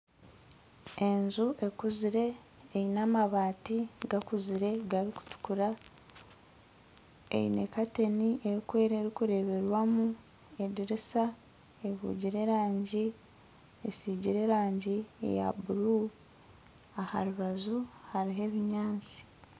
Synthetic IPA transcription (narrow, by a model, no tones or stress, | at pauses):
e̞nzuʔe̞kuziɾe̞ː | jinamaβaːtiɡakuziɾe̞ɡaɾiku̥tu̥kuɾa | ḛjḭne̞̰kate̞niʔeɾikwe̞ːɾeɾikuɾe̞βe̞ɾwamu | e̞diɾisa | eβṵɟiɾe̞ɾaːɲɟi | esiːɟiɾe̞ɾaːɲɟiḛja̰buɾu | aha̰ɾuβazuhaɾiɦe̞βiɲaːnt͡si̥